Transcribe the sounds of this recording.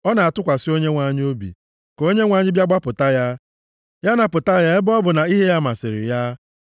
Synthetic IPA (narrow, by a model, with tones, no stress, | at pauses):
ɔ˦na˨a˨tʊ˦kʷa˨sɪ˦o˦ɲe˦ŋʷa˨ɲɪ˦o˦bḭ˨ | ko˦ɲe˦ŋʷa˨ɲɪ˦bja˦ɡ͡ba˦pʊ˨ta˦ja˦ | ja˦na˨pʊ˨ta˦ja˦e˦bɔ˦bʊ˨na˨i˦ɦe˦ja˦ma˨sɪ˨ɾɪ̰˨ja˦